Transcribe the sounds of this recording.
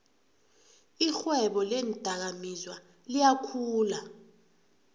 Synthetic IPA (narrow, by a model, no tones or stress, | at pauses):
ixwɛɓɔlɛnd̥ʱak̬amizwa | lijakʰuːla